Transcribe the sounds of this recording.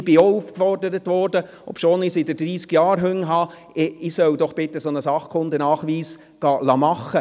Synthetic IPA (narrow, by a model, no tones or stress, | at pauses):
b̥ɪoufkfɔrdəɾətʋɔɾdə | ɔ̰pʃoːnɪsɪdəd̥ɾiːskjɑːɾɦʉŋɦɑ | ɪsœwd̪ɔχb̥ɪt̪əsonəsɑχkʰχʊnd̪ənɑːχʋiːs | ɡ̥ɑːlɑmɑχːə